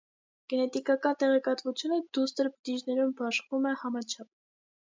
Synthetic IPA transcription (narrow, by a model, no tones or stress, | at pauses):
ɡ̥ɛnɛt̪ikɑkɑnt̪ɛʁɛkɑt̪vut͡sʰjunəd̪ust̪əɾpə̥t̪iʒnɛɾumbɑʃvumɛhɑmɑt͡ʃʰɑp̚